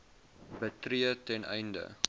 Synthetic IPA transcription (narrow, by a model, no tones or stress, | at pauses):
bətɾiətɛnʔɛ̰jndə̰